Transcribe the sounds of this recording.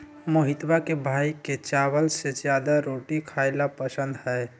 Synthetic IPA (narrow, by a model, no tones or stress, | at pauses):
məɦɪt̪bakebʱaiket͡ʃawəlsed͡ʒjad̪aɾoʈikʰaɪlapəsə̃nd̪hɛ